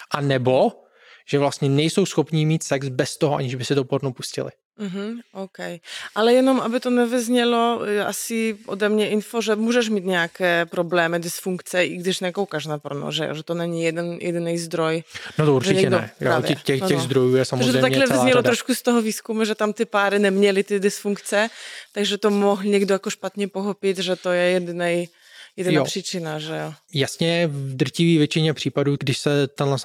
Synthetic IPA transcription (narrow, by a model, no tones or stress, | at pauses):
ʔanɛbo | ʒ̥ɛvlast̪ɲɛnɛjsowsxopniːmiːt̪sɛksbɛst̪oɦɔʔa̰ɲɪʒbɪsɪd̪opoɾnowpuscɪ̰lɪ̰ | m̩ɦ̩ʔowkɛjʔalɛjɛnomʔabɪt̪onɛvɪzɲɛlojɛʔa̰sɪʔod̪ɛmɲɛʔɪnfoʒɛmuːʒɛʃmiːt̪ɲɛakɛːpɾoblɛːmɪdɪsfuŋkt͡sɛʔɪɡdɪʃnɛkowkaʃnapɾono̰ʒɛ̰j̰ʒɛt̪onɛɲijɛd̪ɛnjɛ̰d̪ɪnɛjzd̪ɾojnot̪ouɾʒɛt͡ʃɪɲɛɡɛdoɛ̰jo̰avɪɛxɛɣzd̪ɾojuːjɛsamozʒɛt̪ejt̪aɲɛlɛvzɲɛlot̪ɾoʃkust̪oɦoviːskumuʒɛt̪amt̪ɪpaːɾɪnɛmɲɛlɪt̪ɪdɪsfuŋkt͡sɛt̪aɡʒɛt̪omoɦlɲɛɡdojakoʃpat̪ɲɛpoxopɪt̪ʒɛt̪ojɛjɛd̪ɪnɛj | jɛdnaːpr̥it͡ʃɪnaʒɛjojasɲɛvd̪r̩civiːvjɛt͡ʃɪɲɛpr̝̥iːpaduːɡdɪʃsɛt̪ɛnlɛs